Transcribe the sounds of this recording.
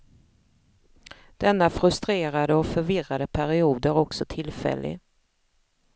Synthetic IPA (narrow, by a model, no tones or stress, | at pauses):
d̪̥ɛnːafɾɵst̪ɾeːɾad̪əɔfœɾvɪrad̪əpʰæɾɪuːd̪əɾɔksɔt̪ʰɪlfɛ̰lːɪ̰